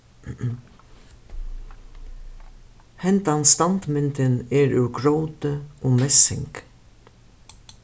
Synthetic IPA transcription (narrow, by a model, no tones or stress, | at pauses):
hɛnt̪ɑnst̪ɑnt̪mɪnt̪əneːɹʉːɡɹowt̪əʔoːmɛsɪ̰ŋk